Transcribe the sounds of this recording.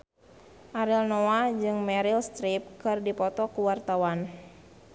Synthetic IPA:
ʔaɾilnoad͡ʒɨŋmɛɾilst̪ɾip̚kɨrdipɔt̪ɔkuwart̪awan

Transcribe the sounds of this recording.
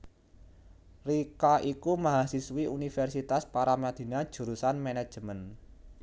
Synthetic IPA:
rikaʔikumaɦasiswiʔunifɛrsit̪aspaɾamad̪̥i̤nad̥ʒ̥ṳɾusanmenad̥ʒ̥mən

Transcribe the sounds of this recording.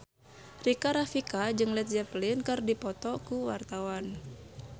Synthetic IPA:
rikaɾafikad͡ʒɨŋlɛt̪̚d͡ʒɛplinkɨrdipɔt̪ɔkuwart̪awan

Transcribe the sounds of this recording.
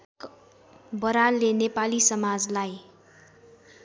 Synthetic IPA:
bʌɾalːenepalisʌmad͡zlaj

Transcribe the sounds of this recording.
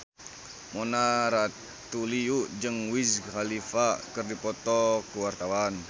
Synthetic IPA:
mɔnaɾa | t̪uliuʔd͡ʒɨŋwishalifakɨrdipɔt̪ɔkuwart̪awan

